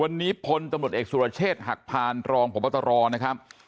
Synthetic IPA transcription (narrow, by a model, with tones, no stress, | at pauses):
wa˧nːiː˦˥pʰo˧nt̪a˧mɾu˨˩t̪̚eː˨˩k̚sʰuː˧ɾa˧t͡ɕʰeː˥˩t̪̚ɦa˨˩k̚pʰaː˨˩nɾɔː˧ŋpʰo˩˦mːʔa˥˩t̪ʰːa˧ɾɔː˧na˦˥kʰɾa˦˥p̚